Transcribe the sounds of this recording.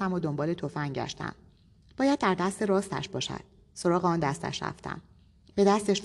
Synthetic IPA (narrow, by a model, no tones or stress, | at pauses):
æmod̪ombɒːle̞t̪ʰo̞fænɟæ̰ʃt̪æ̰m | b̥ɒːjæd̪̚ːæɾd̪æst̪e̞ɾɒːst̪æ̰ʃbɒːʃæ̰d̪̥̚ | so̞ɾɒːɣeɒːnd̪æst̪æ̰ʃɾæ̰ft̪ʰæ̰m | b̥e̞d̪æst̪e̞ʃ